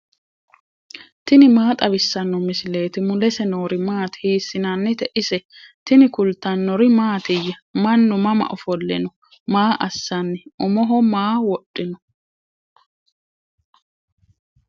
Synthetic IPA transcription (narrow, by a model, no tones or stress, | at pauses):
t̪ɪnɪmaːt̪ʼɐbɪsːɐnːɔmɪsɪle̞ːt̪ɪmʊlɛsɛnoːɾɪmaːt̪hiːsːɪnɐnːɪt̪ɛʔɪsɛ | t̪ɪnɪkʊlt̪ːɐnːɔɾɪmaːt̪ɪjːɐmɐnːʊmɐmɐ̰ʔɔfɔlːɛ̰nɔ | maːʔɐsːɐnːɪʊmɔɦɔmaːwɔɗːɪnɔ